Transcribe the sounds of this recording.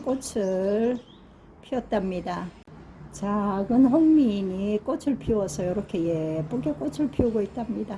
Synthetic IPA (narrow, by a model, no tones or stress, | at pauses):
k͈ot͡ɕʰɯɭ | pʰiʌt̚t͈amɲida | t͡ɕaɡɯnɸoŋmiɲik͈ot͡ɕʰɯɭpʰiwʌsʰʌjoɾʌkʰe̞jep͈oɡek͈ot͡ɕʰɯɭpʰiuɡoit̚t͈amɲida